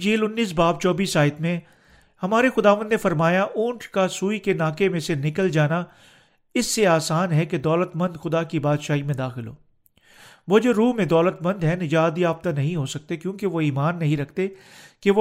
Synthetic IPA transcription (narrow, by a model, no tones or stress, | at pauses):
d͡ʒiːlʊnːiːs̬baːbt͡ʃɔːbiːsaːɪt̪mẽ | hɐmaːɾexʊd̪aːʋə̃nd̪nẽfɐɾmaːjaʔũːɳʈʰkasuːikenaːkemẽsenɪkəld͡ʒaːna | ɪsːeaːsaːnɦɛked̪ɔːlət̪mɐ̃nd̪xʊd̪akibaːd̪ʃaːɦimẽd̪aːxɪlɦo̰ː | ʋod͡ʒoːɾuːɦmẽd̪ɔːlət̪mɐ̃nd̪ɦɛnɪd͡ʒaːd̪iaːb̚t̪anɐɦĩɦosɐk̚t̪ekjõːkeʋoiːmaːnːɐɦĩɾɐk̚ʰt̪e | keʋo